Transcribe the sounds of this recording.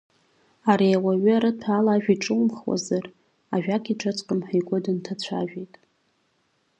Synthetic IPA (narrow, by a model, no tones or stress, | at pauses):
aɾiawaɥʏaɾɨtʰaːlaʒᶣiʈ͡ʂʼɨwmχwa̰zar | aʒᶣakʰʲʼiʈ͡ʂʰʼat͡sʷʼqʼəmħajɡʷʊdɨntʰat͡ɕʷʰa̰ʒᶣejtʼ